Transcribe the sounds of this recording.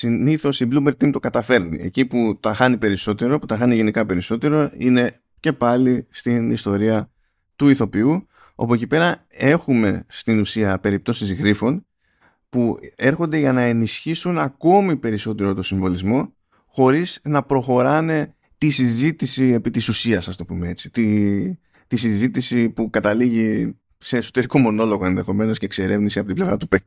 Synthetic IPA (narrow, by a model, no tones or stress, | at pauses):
siniθo̞siblumbe̞ɾt̪imt̪o̞kɐt̪ɐfe̞ɾnḭe̞̰ciput̪ɐxɐnipe̞ɾiso̞t̪e̞ɾo̞put̪ɐxɐniʝe̞nikɐpe̞ɾiso̞t̪e̞ɾo̞ine̞ | ce̞pɐlist̪inist̪o̞ɾiɐ | t̪uiθo̞piu | o̰po̞cipe̞ɾɐe̞xume̞st̪inusiɐpe̞ɾip̚t̪o̞sizɣɾifo̞n | pue̞ɾxo̞nd̪e̞ʝɐnɐe̞nisçisunɐko̞mipe̞ɾiso̞t̪e̞ɾot̪o̞siɱvo̞lizmo̞ | xo̞ɾiznɐpɾo̞xo̞ɾɐne̞ | t̪isizit̪isie̞pit̪isusiɐsɐst̪o̞pumee̞t͡si̥t̪i | t̪isizit̪isipukɐt̪ɐliʝi | se̞ːso̞t̪e̞ɾiko̞mo̞no̞lo̞ɣo̞enðe̞xo̞me̞no̞scekse̞ɾe̞vnisiɐpot̪ible̞vɾɐt̪upe